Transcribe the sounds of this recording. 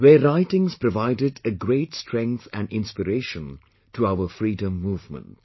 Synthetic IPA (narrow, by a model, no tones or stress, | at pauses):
weːɾaɪʈɪ̃ŋzpɾɔʋaɪdɪdɨɡɾeːʈstɾɛ̃ŋkθæ̰̃nɖɪ̃nspəɾeːʃə̃n | tʰuaʊəfɾiːdə̃mːuːvmə̰̃nt